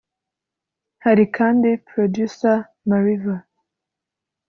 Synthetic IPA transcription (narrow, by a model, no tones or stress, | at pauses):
haɾikʰaːndipʰɾodjusa | maɾiva